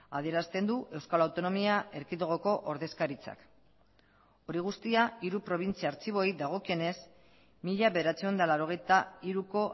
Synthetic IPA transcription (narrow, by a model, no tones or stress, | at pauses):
a̰ðie̞ɾast̪e̞nd̪uʔe̞wskalawt̪o̞no̞miae̞ɾkiðoɣ̞oko̞ʔoɾðe̞skaɾit͡sa̰k | o̞ɾiɣ̞ust̪iaiɾupɾo̞β̞int͡siaːɾt͡siβ̞o̞jd̪aɣ̞o̞kie̞ne̞s | miʎaβe̞ðeɾat͡sio̞nd̪alawɾo̞ɣ̞e̞jt̪aiɾuko̞